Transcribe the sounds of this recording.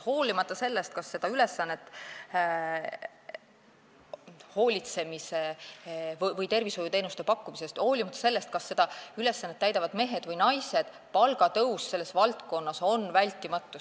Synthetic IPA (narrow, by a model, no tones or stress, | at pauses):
ho̞ːlʲimɑt̪ːˑɑse̞lːe̞st̪̚kɑsːe̞d̪̥ɑyle̞sːɑnːe̞t̪ː | ho̞ːlʲit̪se̞mise̞ | vjvɤjt̪e̞rviso̞jut̪e̞ːnust̪e̞pɑkːumise̞st̪ho̞ːlimɑt̪ːˑɑ̥se̞lːe̞st̪̚kɑsːe̞d̪ɑyle̞sːɑnːet̪ːæjd̪ɑvɑd̪̥me̞ɦe̞d̪vɤjnɑjse̞d̪̥ | pɑlɡɑt̪ɤwsse̞lːe̞svɑlt̪ko̞nːɑso̞nvælʲt̪ːˑimɑt̪ːˑu